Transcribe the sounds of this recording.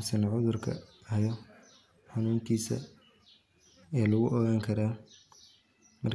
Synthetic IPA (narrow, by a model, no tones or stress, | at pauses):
sɐnʕʊðʊrkʰɐ̰ | hɐjɔ | ħɑnuːŋkʰiːsɐ̰ | ɛːlʊɣʊʔɔɣaːŋkʰɐɾaː | mɐr